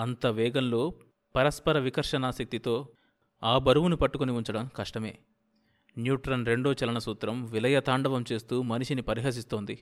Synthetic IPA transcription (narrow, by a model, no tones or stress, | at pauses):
ɐnt̪ɐʋɛːɡɐnloː | pɐɾɐspɐɾɐʋikɐɾʂɐnaːsɐk̚t̪it̪o̞ː | aːbɐɾuʋunipɐʈːukoniuɲt͡ʃɐɽɐmkɐʂʈɐme̞̰ː | njuːʈɾɐnɾe̞ɳɖo̞ːt͡ʃɐlɐɳɐsuːt̪ɾɐmʋilɐjɐt̪aːɳɖɐʋɐmt͡ʃe̞ːst̪uːmɐniʃinipɐɾiɦɐːs̬ist̪o̞ːnd̪i